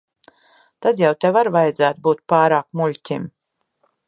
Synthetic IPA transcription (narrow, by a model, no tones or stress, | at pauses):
t̪ad̪jawt̪ʲɛvaɾvajd̪zæːt̪̚buːt̪̚paːɾaːkmulʲtʲim